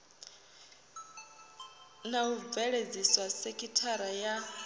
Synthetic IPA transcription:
naub̪vɛɺed͡ziswasekʰʼitʰaɾaja

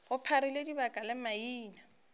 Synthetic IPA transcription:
ɣʊpʰaɾiledibakʼalɪmaiːna

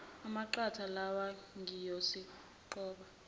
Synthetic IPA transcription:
amaǃatʰalawaŋʱijɔsi | ǃɔːɓa

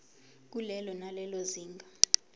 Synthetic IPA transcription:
k̬ulɛlɔnalɛloziːŋɡʱa

